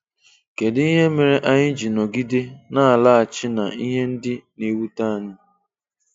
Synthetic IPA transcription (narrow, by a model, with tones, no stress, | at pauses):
ke˨dɪ˦i˦ɦe˦me˨ɾe˦ʔa˦ɲɪ˦d͡ʒi˨nɔ˨ɡi˦de˦na˦a˨la˦a˨t͡ʃɪ˦na˨i˦ɦe˦n̩˦dɪ˦ne˨wu˦ta˦a˨ɲɪ˦